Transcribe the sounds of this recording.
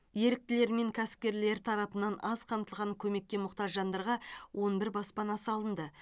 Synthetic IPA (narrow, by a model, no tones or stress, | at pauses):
je̞ɾɪk̚t̪ɪle̞ɾme̞ŋkʲʰæsɪ̥p̚kʲe̞ɾle̞ɾt̪ʰɑɾɑpənɑnɑzqʰɑmt̪əlˠʁɑŋkʲʰɵme̞kʲːe̞mʊqt̪ɑʒʒɑnd̪ɑɾʁɑwʔo̞nbɪɾbɑspɑnɑsəɑlˠənd̪ə